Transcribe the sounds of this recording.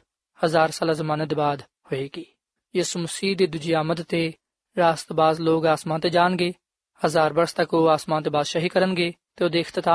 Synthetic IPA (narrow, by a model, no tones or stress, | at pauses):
həzaːɾsaːlaːzəmãːned̪eːbaːd̪ | hoeːɡiː | jiːsuːməsiːd̪eːd̪ʊd͡ʒiaːməd̪t̪eː | ɾaːst̪baːzloːɡaːsmãːt̪eːd͡ʒaːnɡeː | həzaːɾbəɾst̪əkoːaːsmãːt̪eːbaːzʃaɦiːkəɾənɡeː | t̪eːoːd̪eːɪxt̪ɪt̪aː